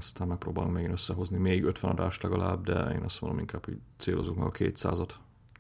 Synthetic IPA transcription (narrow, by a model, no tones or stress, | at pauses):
st̪aːmmɛk̚proːbaːluŋmɛɡinøsːɛɦo̞znimeːiɡø̞t̪ʋɛnɒd̪aːʃt̪lɛɡɒlaːbd̪ɛeːnɒst̪mond̪omiŋkaːphoɟt̪seːlozoknɒ̰ɡɒkʰḛːt̪sa̰ːzɒt̪